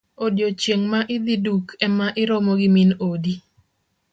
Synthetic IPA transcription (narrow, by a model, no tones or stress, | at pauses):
odjot͡ʃjeŋmaʔɪd̪idukʰɛmaʔɪɾɔmoɡɪminodi